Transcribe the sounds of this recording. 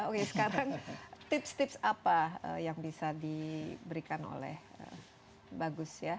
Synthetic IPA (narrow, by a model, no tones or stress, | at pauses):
okesə̥kaɾaŋt̪ɪpst̪ɪpsapaə̰jaŋbisadibəɾikano̰lɛ̰hə̰ | baɡʊsja